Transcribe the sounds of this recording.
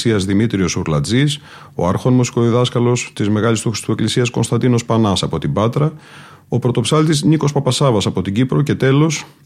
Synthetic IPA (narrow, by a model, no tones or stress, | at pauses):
siɐzðimit̪ɾio̞suɾlɐ̰d͡zis | o̞̰ɐɾxo̞nmusi̥ko̞ðiðɐskɐlo̞st̪izme̞ɣɐlist̪uxɾi̥st̪ueklisiɐsko̞nst̪ɐnd̪ino̞spɐnɐsɐpo̞t̪ibɐt̪ɾɐ | o̞pɾo̞t̪o̞psɐlt̪izniko̞spɐpɐsɐvɐsɐpo̞t̪iɟipɾo̞ce̞t̪e̞lo̞s